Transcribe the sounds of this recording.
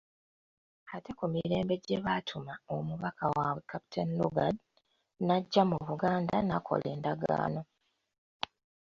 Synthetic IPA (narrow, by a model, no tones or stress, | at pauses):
ate̞kumiɾe̞ːmbe̞ɟe̞βatʰumaomuβakʰawawekapi̥tʰenlṵɡad | naɟːamuβuɡaːndanakʰo̞̰le̞ːndaɡa̰ːno̞